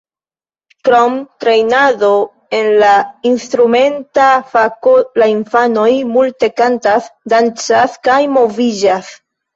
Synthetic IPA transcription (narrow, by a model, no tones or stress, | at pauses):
kɾomtɾe̞jnaðo | e̞nlainstɾume̞ntafakolainfano̞jmulte̞kantasdant͡saskajmo̞vid͡ʒas